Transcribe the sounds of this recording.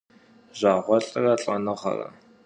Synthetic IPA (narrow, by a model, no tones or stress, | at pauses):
ʑʷaːʁʷɔɬʼɨrɐɬʼɐnɨχɐ̰rɐ̰